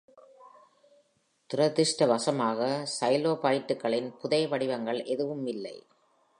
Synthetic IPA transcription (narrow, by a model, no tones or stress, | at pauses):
t̪ʊɾɐt̪ːɪʂʈɐʋɐsɐmaːɣɐsɐɪloːpaːjɪʈːɯkːɐɭɪnpʊðɐɪʋɐɽɪʋɐŋɡɐɭʔɛðɯʋɯmɪlːɐ̰ɪ